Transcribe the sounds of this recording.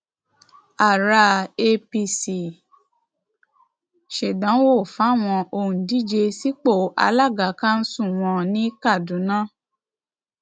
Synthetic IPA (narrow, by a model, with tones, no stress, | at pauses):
a˨ɾa˧e˧pi˧si˨ | ʃe˨dã˨˦wo˦˨fa˨˦˨w̃ɔ̃˧ʔo˧˨hũ˨di˦d͡ʒe˧si˦k͡po˦˨a̰˧la˦˨ɡa˨˦kã˦n̩˦sũ˦˨w̃ɔ̃˧nĩ˦ka˦˨dũ˨˦nã˦